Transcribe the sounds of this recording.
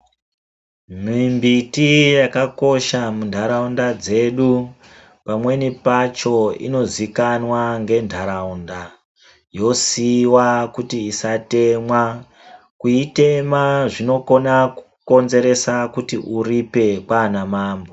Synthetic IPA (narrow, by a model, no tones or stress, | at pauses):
mimbitijakako̞ʃamundʱaɾaundad͡ze̞ɗu | pamwe̞nipat͡ʃo̞ḭno̞zikanwaŋɡe̞ndʱaɾaunda | jo̞siwakutiːsate̞mwa | kuite̞maʐino̞ko̞naku̥ | ko̞nze̞ɾe̞sakutiʔuripe̞kwaːnamaːmbo